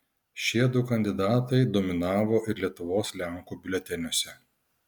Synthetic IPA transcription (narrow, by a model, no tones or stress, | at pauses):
ʃʲiɛd̪ʊkɐnʲd̪ʲɪd̪ɑːt̪ɐɪd̪oːmʲɪnɑːʋoːʔɪɾlʲiɛt̪ʊʋoːslʲæŋkuːbʲɪlʲɛt̪ʲɛnʲoɔsʲɛ